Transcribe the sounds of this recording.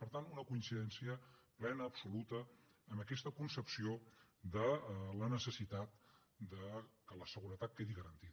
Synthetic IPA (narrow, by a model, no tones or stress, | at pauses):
pəɾt̪anunəkuinsiðɛnsiəplɛnəːpsulut̪əːməkɛst̪əkunsəpsiod̪ələnəsəsit̪at̪ | d̪əkələsəɣuɾət̪at̪̚keðiɣəɾənt̪ið